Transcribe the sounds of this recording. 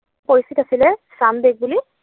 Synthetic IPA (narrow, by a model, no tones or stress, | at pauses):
poɹist̪ʰitasilɛsandeɡ̚buli